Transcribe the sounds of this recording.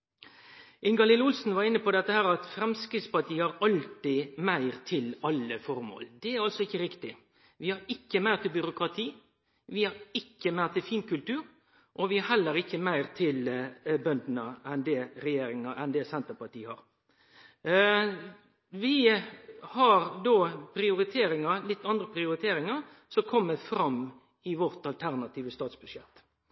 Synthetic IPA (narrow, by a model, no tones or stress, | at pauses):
ʔɪŋɡɑlɪlʊlsn̩ʋɑɾɪnːəpɔd̪ɛt̪ːəhæːɾɑt̪fɾɛmskɾɪd̪spɑʈ̪ʰiːhɑɾɑlt̪ɪmæɪʁt̪ʰɪlɑlːəfɔɾmo̰ːld̪ɛæɾɑlsɔɪçːəɾɪkt̪ɪ | ʋɪhɑɾɪkːəmæɪʁt̪ʰɪlbʏɾʊkɾɑt̪ʰiː | ʋɪhɑɾɪkːəmæɪʁt̪ɪlfiːnkʉlt̪ʉːɾ | ʔɔʋɪhɑɾhɛlːəɾɪkːəmæɪʁt̪ʰɪlbœnd̪ənəɛnd̪ɛɾɛjeːɾɪŋɑɛnd̪ɛsɛnt̪əpɑʈ̪iːəhɑɾ | ʋɪ | hɑɾd̪oːpʰɾɪʊɾɪt̪ʰeːɾɪŋɑɾlɪt̪ːɑnd̪ɾəpʰɾɪʊɾɪt̪ʰeːɾɪŋɑɾ | sɔkʰɔmːəfɾɑm | ɪʋɔɾt̪ɑlt̪ʰæʁnɑt̪ʰiːʋəst̪ɑːt̪sb̥ʉʂjɛt̪ː